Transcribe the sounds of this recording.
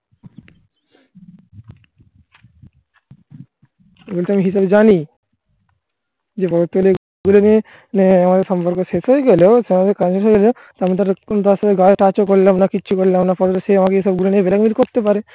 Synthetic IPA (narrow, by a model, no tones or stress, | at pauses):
eɡulit̪amiɦisabed͡ʒani | d͡ʒepɔɾot̪uleɡɔ | ɡulonie | neamad̪eɾsɔmpɔɾkoʃeʃɦojeɡɛloseamad̪eɾkanseɦoeɡɛlo | t̪amit̪aɾnt̪asat̪eɡajoʈat͡ɕokoɾilamnakitːʃʰukoɾilamnapɔɾot̪seamakeɦisabɡuloniebelakmilkoɾt̪epaɾe